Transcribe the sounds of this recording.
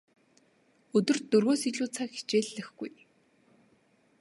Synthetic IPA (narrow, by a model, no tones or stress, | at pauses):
ɵt̪ɵ̆rt̪ːɵrɣoːsiɮuːt͡sʰakxi̥t͡ɕeːɮːɘ̆xɡuj